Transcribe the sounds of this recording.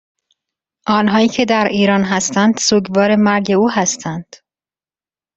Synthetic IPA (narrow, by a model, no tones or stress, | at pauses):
ʔɒːnɦɒːiːcʰe̞d̪æɾiːɾɒːnɦæst̪ænd̪̥suːɟvɒːɾe̞mæɾɟe̞uːɦæst̪ʰænd̪̥